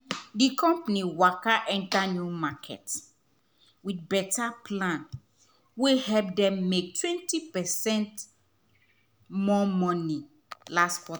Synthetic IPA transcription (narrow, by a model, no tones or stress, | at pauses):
dikɔ̃mpaniwakaʔɛ̃ntanumakʰɛ̰t | widbɛtaplãn | wehɛlp̚dɛ̃mːek̚twɛ̃ntipɛsɛ̃nt | mɔmɔ̃ni | lastkwɔt